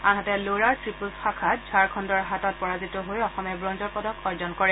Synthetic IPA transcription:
anɦatɛloɹaɹtɹipusxakʰat̚d͡ʒʱaɹkʰɔndɔɹɦatɔt̚pɔɹazitɔɦojɔxɔmɛbɹɔnzɔɹpɔdɔkɔɹzɔnkɔɹɛ

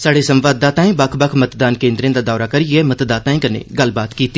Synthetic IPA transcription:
saːɽeːsəmʋaːd̪̚ːaːt̪ãːĩːbəkʰbəkʰmət̪d̪aːnkẽːnd̪ɾẽːd̪aːd̪ɔːɾaːkəɾiɛːmət̪d̪aːt̪ãːĩːkənḛɡəlbaːt̪kiːt̪i

